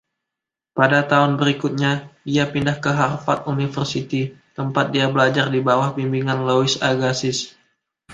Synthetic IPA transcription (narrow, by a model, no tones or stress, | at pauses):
padat̪aʊnbəɾikʊt̪̚ɲadiapindahkəɦarfat̪̚unifərsit̪it̪əmpat̪̚diabəlad͡ʒardibawahbimbiŋanloɪsaɡasɪs